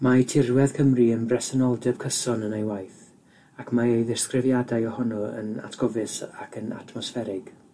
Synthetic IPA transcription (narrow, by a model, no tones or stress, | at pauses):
majtʰɪrwɛðkʰəmriənbrɛsənɔlˠdɛb̥kʰəsɔnənejwajθ | akʰmaejðɪrskrɪvjadajɔhɔnɔə̰na̰tʰɡ̥ɔvɪsakʰəna̰tʰmɔsfɛɾɪɡ̥